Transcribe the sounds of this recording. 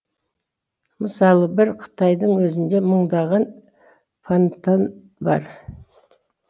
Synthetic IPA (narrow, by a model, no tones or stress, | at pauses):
məsɑlˠəbɪɾqʰə̥t̪ʰɑjd̪əɴwɵzɪnd̪e̞məɴd̪ɑʁɑn | fant̪an | bɑɾ